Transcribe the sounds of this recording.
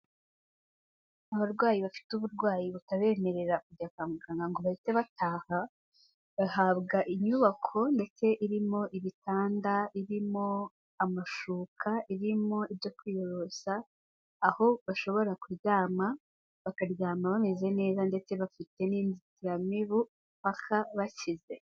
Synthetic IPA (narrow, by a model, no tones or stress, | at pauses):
aβaɾɡwaːjiβafi̥tuβuɾɡwaːjiβakaβe̞ːme̞ɾe̞ɾakuɟakaːmukaːŋɡaŋɡoβaite̞βataːha | βahabɡaʔiɲuβakʰo̞nde̞t͡se̞ʔiɾimo̞ʔiβitaːndaiɾimo̞ | amaʃuːkʰaʔiɾimo̞ibjo̞kwiːjo̞ɾo̞saː | ho̞βaʃo̞βo̞ɾakuɾjaːma | βakaɾjaːmaβameze̞ne̞ːzande̞t͡se̞βafite̞niːnditiɾamiβu | pakʰaβacize̞